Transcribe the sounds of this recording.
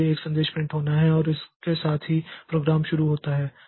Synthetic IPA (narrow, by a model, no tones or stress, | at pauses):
eeːksɐ̃nd̪eːʃpɾɪ̃ɳʈɦoːnaɦɛɔːɾɪskesaːt̪ʰɦipɾoːɡɾaːmʃʊɾuɦoːt̪aɦɛː